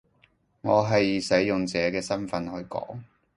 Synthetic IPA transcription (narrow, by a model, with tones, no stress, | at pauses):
ŋɔː˨˧ɦɐ˨jsɐ˨˥jːʊ˨ŋt͡sɛː˨˧kɛː˧sɐ˥nfɐ˨˧nhɵ˧ɥkɔ̰ː˨˥ŋ